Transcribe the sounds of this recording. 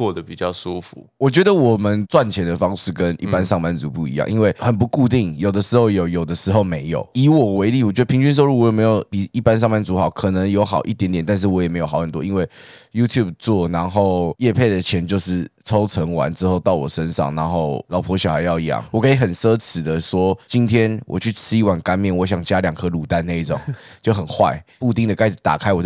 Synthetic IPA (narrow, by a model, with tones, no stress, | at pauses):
kɔ˥˩d̪ə˩pi˨˩t͡ɕjɑ˥˩ʊsu˦˥fu˨˦wɔ˨˩t͡ɕɥɛ˧˥d̪ə˧wɔ˨˩mə˨˦nt͡swa˥˩nt͡ɕʰjɛ˧˥nd̪ə˧fɑ˥ŋʂɻ̩˥˩kə˦nḭ˥˩pa˦nʂɑ˥˧ŋma˥˩nt͡su˧˥pu˥˩ḭ˧˥jɑ̰˥˨ŋʔḭ˦nwe˥˩ɪxə˨˩npu˧˥ku˥˧t̪i˥˩ŋjo˨˩ʊd̪ə˦ʂɻ̩˧˥xo˥˩ʊjo˨˩ʊjo˨˩ʊd̪ə˦ʂɻ̩˧˥xo˥˩ʊme˧˥ɪjo˨˩˦ʊi˧˥wɔ˨˩we˧˥ɪli˥˨wɔ˨˩t͡ɕɥɛ˧˥d̪ə˧pʰi˧˥ŋt͡ɕy˥˧nʂ̬o˥˧ʊɻu˥˩wɔ˧˦˥me˧˥ɪjo˨˩ʊpi˨˩i˥˩pa˥ns̬ɑ˥˧ŋma˥˩nt͡su˧˥xɑ˨˩˦ʊkʰɤ˨˩nə˧˥ŋjo˧˥ʊxɑ˨˩ʊʔḭ˥t̪jɛ˧˥nt̪jɛ˨˩nt̪a˥˧nʂ̬̩˥˩wɔ˧˥jme˧˥ɪjo˨˩xɑ˨˦ʊxə˨˩nt̪wɔ̰˦i˦nwe˥˩ɪju˥t̪ʰju˥˩b̚t͡swɔ˥˩na˧˥nxo˥˩ʊjɛ˥˧pʰe˥˩ɪd̪ə˩t͡ɕʰjɛ˧˥nt͡ɕjo˥˧ʊʂɻ̩˥˩t͡sʰo˥ʊt͡sʰə˧˥ŋwa̰˧˦nʈ͡ʂɻ̩˥xo˥˧ʊt̪ɑ˥˩ʊwɔ̰˨˩ʂə˦˥nʂɑ̰˥˨ŋna˧˥nxo˥˩ʊlɑ˨˩ʊpʰɔ˧˥ɕjɑ˨˩ʊxa˧ɪjɑ˥˧ʊi˧jɑ̰˥˨ŋwɔ˨˩kʰɤ˧˥i˨˩xə˨˩nsɤ˥t͡s̩ʰ˨˩d̪ə˦ʂwɔ˥t͡ɕi˦nt̪ʰjɛ˥nwʔɔ̰˨˩t͡ɕʰy˥˩t͡s̩ʰ˥i˧˥wa˨˩nka˥nmjɛ˥˩nwɔ˧˦ɕ̬ɑ˨˩ŋt͡ɕja˦˥ljɑ˨˩ŋkʰɤ˦lu˨˩t̪a˥˧na˥˧i˥˩t͡so̰˨˩˦ŋt͡ɕjo˥˩ʊxə˨˩nxwa̰˥˩ɪpu˥˧t̪i˥˩ŋd̪ə˩ka˥˩ɪt̪a̰˨˩kʰa˥ɪwɔ˨˩